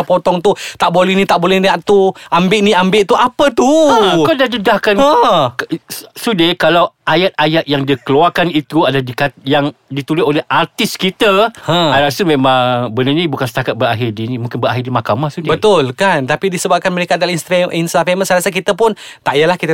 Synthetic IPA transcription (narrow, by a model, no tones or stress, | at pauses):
pot̪ɔŋt̪ut̪aʔbolɛhnit̪aʔbolɛhniaʔt̪uʔambɪʔniambɪʔt̪uʔapət̪ukawdadidahkanəksudekalawʔajat̪̚ajaʔ̪̚jaŋdikəluarkanit̪uadaladikajaŋdit̪ulɪolɛhart̪ɪskit̪əhə̃aɾasumemaŋbənaɲabukansə̥t̪akat̪̚bəɾaɦidinimũŋkɪnbəɾaɦidimakamahsudbət̪ʊlkant̪apidisəbap̚kanməɾekadalainst̪afeʔinst̪afemənsəɾasak̬it̪əpʊnt̪aʔijalahkit̪